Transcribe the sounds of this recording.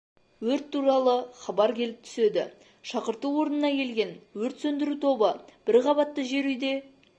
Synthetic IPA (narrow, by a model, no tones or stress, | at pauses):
wɵɾt̪ʰːuɾɑlˠəχɑbɑɾkʲʰe̞lɪp̚t̪ʰʏ̥se̞d̪ɪ̰ | ʃɑqəɾt̪uwoɾənənɑkʲʰe̞lɡʲe̞nwɵɾt̪sɵnd̪ɪɾut̪ʰo̞bəb̥ɪɾʁɑbɑt̪ːəʒe̞ɾʏjd̪e̞